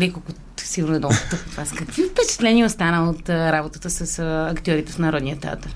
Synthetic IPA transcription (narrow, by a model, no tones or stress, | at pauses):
nɛkolkʊ | siɡuɾnɛd̪ɔkt̪əxot̪vaskɐkvifpɛt͡ʃɛ̥t̪lɛnʲiɛot̪st̪anəəot̪ɾabot̪ət̪əsɐsɐkt̪ʲɔɾit̪ɛsnɐɾɔd̪nijət̪ɛa̰t̪əɾ